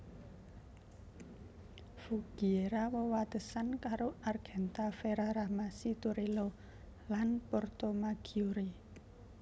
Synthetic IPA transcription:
fuɡ̥ieɾawɔwat̪əsankaɾoarɡ̥ɛ̤nt̪afeɾaɾahmasit̪uɾilo | lanpɔrt̪omaɡ̥iuɾi

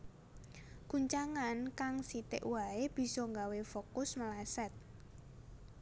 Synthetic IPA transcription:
kuɲt͡ʃaŋankaŋsit̪ɪ̰ʔwaeb̥i̤sɔŋɡawefokʊsməlasɛt̪̚

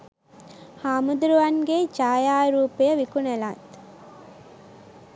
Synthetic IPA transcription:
haːmud̪uɾuʋanɡet͡ʃaːjaːɾuːpijəʋikunela̰ːt̪

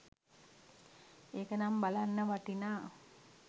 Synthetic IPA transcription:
eːkənambalanːəʋaʈinaː

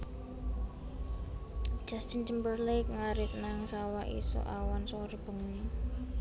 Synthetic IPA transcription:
d͡ʒ̥astind͡ʒəmbərlek̚ŋaɾɪk̚naŋsawaʔḭsṵʔawanswɔɾb̥ə̤ŋni

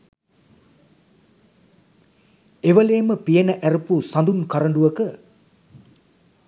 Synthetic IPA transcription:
eʋəleːməpijenəʔæɾəpusand̪unkaɾəɳɖuʋəkə

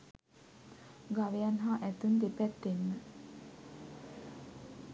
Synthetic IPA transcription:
ɡaʋejanɦaːʔæt̪und̪epæt̪ːenːə

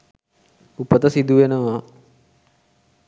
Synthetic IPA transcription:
upət̪əsid̪uʋenəʋa

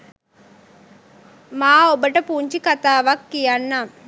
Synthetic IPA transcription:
maːobɐʈɐpuːɲt͡ʃikɐt̪aːʋɐkːijanːa

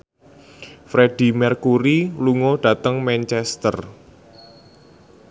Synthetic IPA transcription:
fɾed̥i̤mɛrkuɾiluŋoɖ̥a̤t̪əŋmɛnt͡ʃɛst̪ər

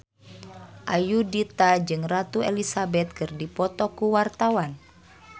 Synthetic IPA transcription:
ʔajudit̪ad͡ʒɨŋrat̪uɛlisabɛt̪̚kɨrdipɔt̪ɔkuwart̪awan

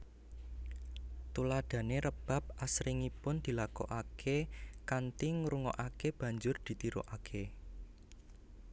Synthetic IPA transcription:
t̪ulad̪̥ä̤neɾəb̥a̤p̚ʔasɾiŋipʊnd̪̥i̤lakɔ̰ʔakʰekant̪iŋɾuŋɔʔakeb̥ä̤ɲd͡ʒʊrd̪̥i̤t̪iɾo̰ʔakʰe

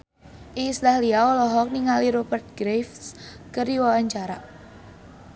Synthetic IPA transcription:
ʔiŋslahliaɔlɔɦɔk̚niŋaliɾobərt̪̚ɡ̥ɾejfs | kəɾiwawaɲt͡ʃaɾa

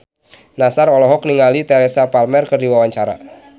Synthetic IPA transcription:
nasarɔlɔɦɔk̚niŋalit̪ɛɾɛsapalmɛrkərdiwawaɲt͡ʃaɾa̰

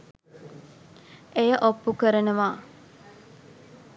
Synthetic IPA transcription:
ejəʔopːukəɾənəʋaː

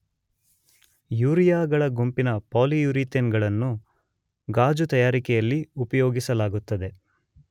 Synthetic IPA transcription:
juːɾijaːɡɐɭɐɡumpinɐpaːlijuɾit̪enɡɐɭɐnːu | ɡaːd͡ʒut̪ɐjaːɾikɛjɐlːiupɐjoːɡisɐlaːɡut̪ːɐd̪e̞

